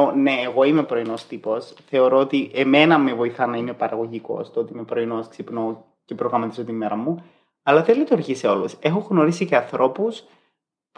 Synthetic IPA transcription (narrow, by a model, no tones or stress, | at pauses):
one̞ːɣo̞ime̞pɾo̞ino̞st̪ipo̞sθe̞o̞ɾo̞ot̪iʔeme̞nɐmevo̞iθɐnɐime̞pɐɾɐɣo̞ʝiko̞̰st̪oot̪ime̞pɾo̞inosksipno̞ | ce̞pɾoɣɾɐmɐt̪izot̪imːeɾɐmu | ɐlɐθelit̪uɾʝiseo̞luse̞xoɣno̞ɾisice̞ɐnθɾo̞pus | p